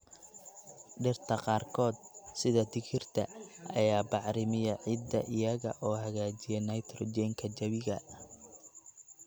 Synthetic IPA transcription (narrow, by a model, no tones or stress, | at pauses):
ɖɪrt̪ʰɐqɑːrkʰɔːd̪̚sɪðɐd̪ɪkʰɪrt̪ʰɐʔɐjaːbɑʕɾɪmɪjɐʕɪd̪ːɐʔɪjɐɣɐ̰ʔɔːɦɐɣaːt͡ʃɪjɛnɐjt̪ʰrɔd͡ʒɛŋkʰɐt͡ʃɐβɪɣɐ